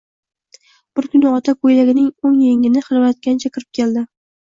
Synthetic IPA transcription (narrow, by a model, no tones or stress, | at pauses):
b̥ʊɾkʲʊnɪɒt̪ʰakʰojlaɡʲɪnɪŋoŋjeŋɪnɪχɨɾvat̪̚kʲanɪt͡ʃʰakʲɪɾɪp̚kʲʰeld̪ɪ